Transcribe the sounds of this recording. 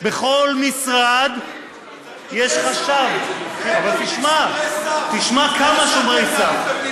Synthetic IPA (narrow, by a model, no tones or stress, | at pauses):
beχo̞lmisʁad̪ | jeʃχaʃavavalt̪iʃmat̪iʃmakamaʃumʁesa